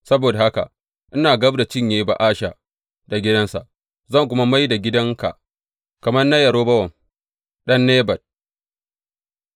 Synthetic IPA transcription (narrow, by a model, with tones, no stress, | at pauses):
sɐ˦boː˨da˨ha˦ka̰˨ | ʔɪ˦naː˨ɡɐ˦bda˨t͡ʃɪ˦ɲjeː˦ba̰˨ʔaː˦ʃa˨ | da˨ɡʲɪ˦dɐ˦nsa̰˨ʔ | zɐ˦˨ŋk̬ʷʊ˦ma˦ma˦jda˨ɡʲɪ˦dɐ˦ŋka̰˨ʔ | kɐ˨mɐ˦rnɐ˦jɐ˨ɾoː˦bɐ˦wɐ˨ŋ | ɗɐ˦nːeː˦bɐ˨d̚